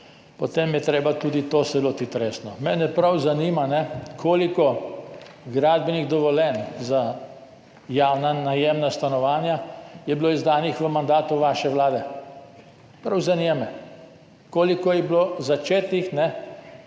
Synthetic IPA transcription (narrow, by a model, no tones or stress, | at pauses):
pɔt̪emjɛt̪ɾeːbat̪uːd̪it̪osɛloːt̪it̪ɾeːsnɔmɛnɛpɾawzaniːmanɛkʰoːlikɔ | ɡɾaːd̪bɛniɣd̪ɔʋɔlɛnza | jaːwnanajeːmnast̪anɔʋaːnjajɛbiloːizd̪aːnixʋəmand̪aːt̪uʋaːʃɛʋlaːd̪ɛ | pɾawzanjɛmɛ | koːlikɔjɛblozat͡ʃeːt̪nixnɛ